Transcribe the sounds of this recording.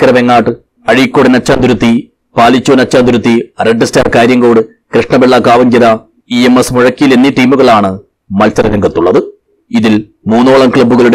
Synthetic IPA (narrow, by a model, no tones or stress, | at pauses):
kɾɐʋeŋːaːʈːɨ | ɐɻikːoːɽɨnɐt͡ɕːaːnd̪uɾut̪ːi | paːlit͡ɕːoːnɐt͡ɕːaːnd̪uɾut̪ːireɖːɨsta̰ːrkaːɾjɐŋɡo̞ːɽɨ | kɾɨʂɳɐbeɭːakaːʋɐɲd͡ʑɐɾɐ | iemesmuɻɐkːijilenːiʈiːmuɣɐɭaːɳɨ | mɐlsɐrɐlɐŋɡɐt̪ːuɭːɐðɨ | iðil | muːnːoːɭɐmkɭɐbːuɣɐɭuɽ